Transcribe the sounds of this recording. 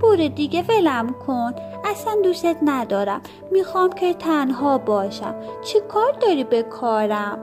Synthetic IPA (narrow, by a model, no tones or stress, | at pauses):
poɾed̪iːɡeve̞læmkʰon | æsænd̪ust̪et̪næd̪ɒːɾæmː | iːxɒːmcʰet̪ʰænɦɒːbɒːʃæ̰mt͡ʃʰikʰɒːɾd̪ɒːɾiːbekʰɒːɾæm